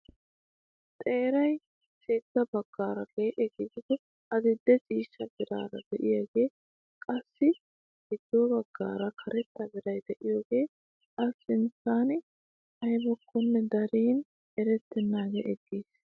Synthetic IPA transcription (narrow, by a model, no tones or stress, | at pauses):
t̪ʼeːɾɐj | seːt͡sːɐbɐɡːaːɾɐɡeːʔɛɡɪɡɪɡɔ | ɐd̪ɪd̪ːɛt͡sʼiːʃːɐɡɪɾa̰ːɾɐ̰d̪ɛʔɪjɐɡe̞ː | kʼɐsːɪ | hɪd̪ːobɐɡ̥ːa̰ːɾɐkʰɐɾɛt̪ːɐbɪɾɐjd̪ɛʔɪjoːɡe̞ː | kɐsɪnt͡sːaːnɪ | hɐjbɔkʰːɔnːɛd̪ɐɾiːn | ɛɾɛt̪ːɛnːaːɡḛːʔɛɡːiːs